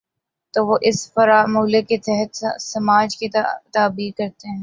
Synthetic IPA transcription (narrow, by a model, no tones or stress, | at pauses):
t̪oːʋoʔɪsfɐɾaːmuːleket̪ɛɦət̪sɐmaːd͡ʒkit̪aːbiːɾkɐɾt̪eɦɛ̃ː